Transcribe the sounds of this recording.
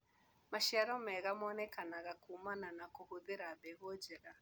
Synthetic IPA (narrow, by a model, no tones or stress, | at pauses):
maʃaɾɔmɛɣamɔnɛkanaɣakumananakohoðeɾabɛɣɔd͡ʒɛɾa